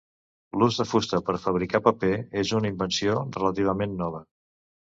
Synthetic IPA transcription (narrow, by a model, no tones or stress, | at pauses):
luzðəfust̪əpəɾfəβ̞ɾikapəpeezunəimbənsiorələt̪iβ̞əmenːɔβ̞ə